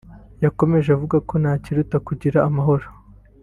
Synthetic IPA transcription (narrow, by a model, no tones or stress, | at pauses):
jako̞me̞ʒeavuɡako̞naːciɾutakuɟiɾaːmaɦo̞ɾo